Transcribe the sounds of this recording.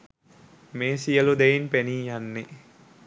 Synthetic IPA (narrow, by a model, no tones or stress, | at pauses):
meːsijəlud̪ejinpeniːjanːe